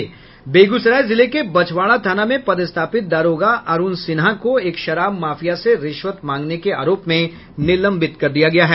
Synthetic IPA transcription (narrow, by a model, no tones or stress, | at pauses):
beːɡusɾaːjzɪlekebɐt͡ʃʋaːɭ̃at̪ʰaːnamẽpɐd̪ɪst̪ʰaːpɪt̪̚d̪aːɾoːɡaʔɐɾuːnsɪnɦakoeːkʃɐɾaːbmaːfijaseɾɪʃʋət̪mãːŋɡnekea̰ːɾoːpmẽ | nɪlə̃mbɪt̪kɐɾd̪ijaɡɐjaɦɛː